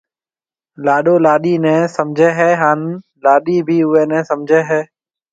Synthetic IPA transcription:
laːɗoːlaːɗiːnɛ̃ːsəmd͡ʒʱɛːɦɛːɦaːn | laːɗiːbʱiːʊʋeːnɛ̃ːsəmd͡ʒʱeːɦɛː

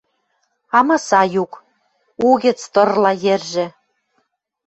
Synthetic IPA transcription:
ɑmɤsɑjuk | uɣʲĕt͡st̪ɤ̆rlɑjerʒĕ

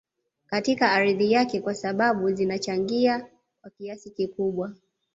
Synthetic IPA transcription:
katikaːɾiðijakɛkwasaɓaɓuzinat͡ʃaŋɡia | kwakiasikikuɓwa

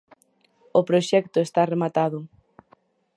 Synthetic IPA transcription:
opɾoʃɛkt̪ʊest̪aremat̪aðʊ

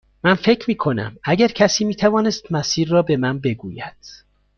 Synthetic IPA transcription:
mænfe̞cʰɾmiːkʰo̞næ̰mæɟæɾcʰæsiːmiːt̪ʰævɒːne̞st̪mæsiːɾːɒːbe̞mænbe̞ɡuːjæd̪̥

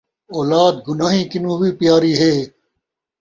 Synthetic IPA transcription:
oːlaːd̪̚ɡʊnaːɦĩːkɪnũːbiːpijaːɾiːɦeː

